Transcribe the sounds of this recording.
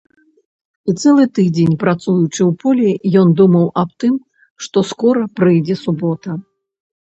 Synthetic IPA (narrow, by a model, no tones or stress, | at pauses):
it̪sɛlˠɨt̪ɨd͡zʲenʲpɾat̪sujut͡ʂɨwpɔlʲɛjɔnd̪umɐwɐp̚t̪ɨm | ʂt̪ɔskɔɾɐpɾɨjd͡zʲɛsubɔt̪ɐ